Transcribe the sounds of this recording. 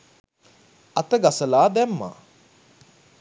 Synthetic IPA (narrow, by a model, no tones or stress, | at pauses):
at̪əɡasəlaːd̪ɛmːa̰